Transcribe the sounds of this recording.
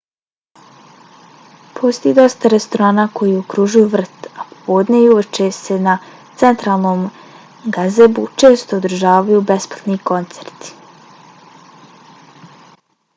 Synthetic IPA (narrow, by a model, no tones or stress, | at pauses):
pʰost̪ojid̪o̞st̪aɾe̞st̪oɾaːnaːkʰo̞jiːokɾuʒujuʋr̩t̪apo̥po̞ːd̪nejuʋet͡ʃe̞se̞na | t̪se̞nt̪ɾaːlˠno̞ːm | ɡazebut͡ʃe̞ːst̪oːd̪ɾ̩ʒaːʋajube̞splˠat̪niko̞nt̪seɾt̪i̥